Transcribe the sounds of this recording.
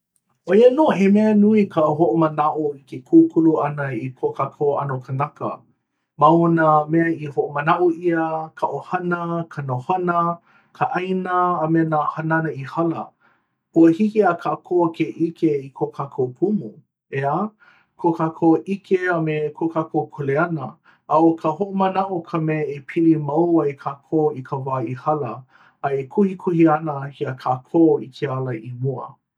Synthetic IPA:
ʔojənoːɦemeənuikʰəɦoʔomənaʔoikekʰukʰuluɐnəikʰokakʰowʔa̰nokʰənɐkə̰ | mawonameɐihoʔomənaʔoʔiəkʰaʔohɐnəkʰənohɐnə | kʰəʔajnəːmeənahɐnanɐihɐlə̰ | huəhikiakʰaːkʰokʰeʔikʰeikʰokʰakʰopʰumu | eə | kʰokʰakʰoʔikʰeəmekʰokʰakʰokʰoleɐnə | awkʰəɦoʔomənaʔokʰəmeepʰilimɐwɐjkʰaːkʰoikʰəvaːihɐlɐ | ɐekʰuhikʰuhiɐnəhiəkʰaːkʰoːikʰealɐʔimuə̰

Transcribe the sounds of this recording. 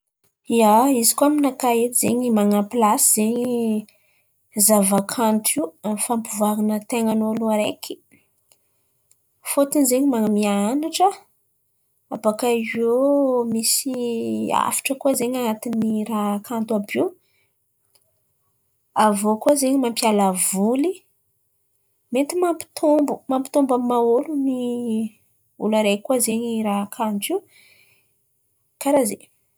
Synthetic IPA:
iaizi̥kuaminakaet̪izeɲimaŋapilasiz̥eɲi | zavakʰant̪uiuamifambuvaɾinət̪eŋanoluaɾḛkʰi̥ | fot̪inzeɲimaŋamiaanaʈ͡ʂə | apakaiomisia̰fi̥ʈ͡ʂəkuazeɲanat̪iniɾaɦkʰant̪uabi | avokuazeɲimampjalavuli | met̪imampi̥t̪ʰombumampi̥t̪ombammaoluni | ṵlaɾekuazeɲiɾaɦakʰant̪i | kaɾazḛ

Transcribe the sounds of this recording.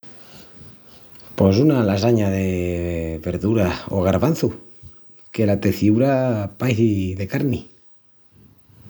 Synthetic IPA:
posunalasaɲaðe | βeɾðuɾao̰ɣ̞aɾβan̟θu | ke̞lat̪eθiuɾapajθiðe̞kaɾni

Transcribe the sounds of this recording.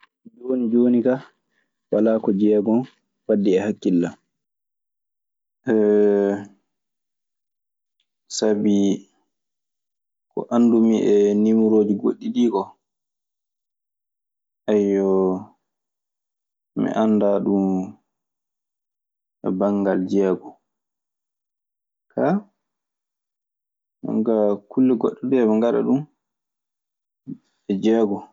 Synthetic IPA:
d͡ʒonid͡ʒoːnika | walakɔd͡ʒɛːɡɔn | fadːiɛhakːilːa | ʔɛ | sabi | kɔ̰ʔandumiʔɛnimuɾoːd͡ʒiɡoɗːiɗiːkɔ | ʔajɔ | mḭʔandaɗum | ɛ̰baŋɡald͡ʒɛːɡɔ | kʰa | a̰ŋɡakulːɛɡɔɗːɔdɛmɛŋɡaɗa̰ɗum | ɛd͡ʒɛːɡɔ

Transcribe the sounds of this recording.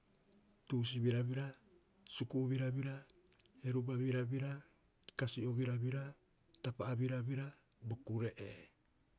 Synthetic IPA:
tuːs̬iβiɾaβiɾa | sukuβiɾaβiɾa | e̞ɾubaβiɾabiɾa | kasio̞βiɾaβiɾa | tapaːβiɾaβiɾa | bo̞kuɾe̞ʔḛ

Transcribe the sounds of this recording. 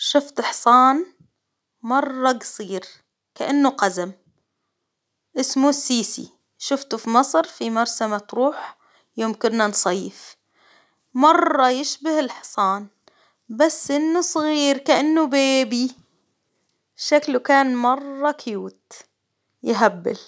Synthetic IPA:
ʃʊft̪ħsˤɑːn | mɑrˤːɑɡsˤiːɾ | kaʔanːuqazam | ʔɪsmusːiːsḭ | ʃʊft̪ufimɑsˤɾfimɑɾˤsamat̪ɾuːħ | joːmkʊnːansˤɑjːɪf | mɑrˤːɑjɪʃbahɪlħsˤɑːn | basːʔɪnːusˤɣiːɾkaʔanːubeːbi | ʃaklukaːnmɑrˤːɑkjuːt̪ | jɪɦabːɪ̰l

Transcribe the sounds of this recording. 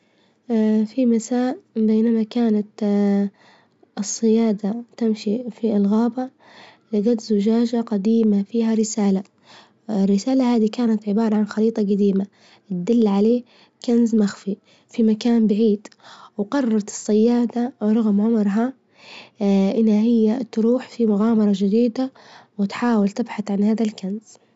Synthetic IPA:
fimasaːʔbeːnamakaːnat̪ | ɨsˤːɨjaːd̪at̪amʃifiɪlɣaːba | lɪɡat̪zʊd͡ʒaːd͡ʒaqɑd̪iːmafiːhaɾɪsaːla | ɪrːɪsaːlahaːd̪ikaːnat̪ʕɪbɑːɾˤɑʕanxɑɾiːt̪ˤɑɡad̪iːma | t̪̚d̪ɪlːʕaleː | kanzmaxfi | fimakaːnbaʕiːd̪̥wqɑrˤːɑɾˤɑt̪ɪ̥sˤːɑjːaːd̪awɾˤɑɣmʕʊmɾɦa | ʔɪnhahɪjːat̪ɾuːħfimʊɣaːmɑɾˤɑd͡ʒɪd̪iːd̪awɪt̪ħaːwɪlt̪ɪbħaθʕanhaːðalkanz̥

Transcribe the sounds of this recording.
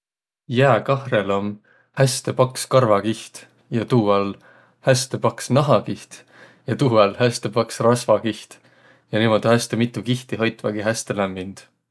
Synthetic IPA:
jæːkɑhrelom | hæst̪e̞pɑkskɑrvɑkiht̪ | jɑt̪uːɑl | hæst̪e̞pɑksnɑɦɑkiht̪ | jɑt̪uːɑlhæst̪e̞pɑksrɑsvɑkiht̪ | jɑnimod̪hæst̪e̞mit̪ːˑukiht̪iɦɑjt̪ːˑvɑɡiɦæst̪e̞læmːind̪̥

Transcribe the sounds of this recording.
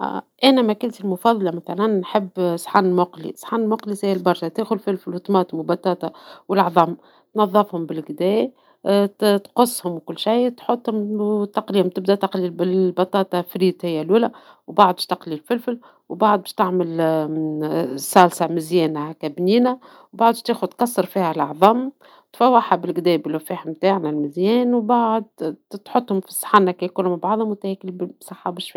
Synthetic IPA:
ʔænæmækʊlt̪əlmʊfɑðˤɑlɑmæθælænːħɪbːsħɑnmʊqlḭsˤħɑnmʊqlisæhːɪlbɑɾˤʃɑt̪eːxʊlfɪlfɪlwt̪mɑːt̪ˤmwɪlbɑt̪ˤːɑːt̪ˤɑwɪlʕðˤɑm | t̪nɑðˤːɑfhʊmbɪlɡd̪ɛː | t̪qʊsˤːhʊmwkʊlːʃajt̪ħot̪ˤːhʊmt̪ɑqliːhʊmt̪ɪb̚d̪æt̪ɑqlibbɑt̪ˤɑːt̪ˤɑfɾiːt̪hɪjːæluːlæ | wbaʕd̪bʃt̪ɑqlilfɪlfɪl | wbaʕd̪̚ˤbɛːʃt̪ɪʕmɪl | sælsamɪzjɛːnhkæbniːnæ | wbaʕd̪ˤʃt̪eːxʊd̪̚qɑsˤːɑɾfiːhælʔɑʕðˤɑːm | t̪fæwːaħabɪlɡd̪ɛːbɪlwfiːhmt̪aːʕnælmɪzjɛːnwbaʕd̪̚t̪ħot̪ˤːhʊmfi̥sˤħanːakæjkunmɪbʕɑʕd̪ˤhʊmwt̪hɛːkɪlbsˤɑħːɑbɪʃfi

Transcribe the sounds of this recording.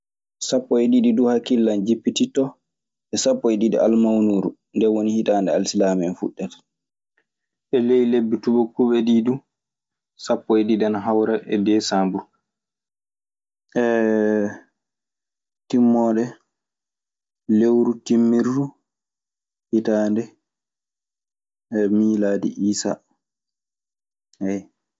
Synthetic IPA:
sapːɔɛɗiɗiduhakːilːand͡ʒipːititɔ | ɛsapːɔɛɗidḭʔalmawnuːɾu | ndɛwonihitaːndɛalsilamɛnfuɗːɛtḁ | ʔɛlejlebːitubɔkuɓɛɗidu | sapːɔɛɗidanaɦawɾaʔɛ̰dɛsambuɾ | ʔɛ | timːɔɗɛ | lewɾutimːiɾːu | hitaːndɛ | miːlaːdḭʔiːsa̰ | hɛ

